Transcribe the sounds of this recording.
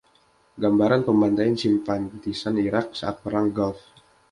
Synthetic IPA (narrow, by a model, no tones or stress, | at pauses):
ɡambaɾanpəmand̪ajansimfant̪isaniɾak̚saʔat̪̚pəɾaŋɡɔlf